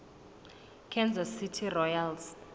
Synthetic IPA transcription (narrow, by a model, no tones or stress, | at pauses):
kʰɛnzɔsitʰirɔjals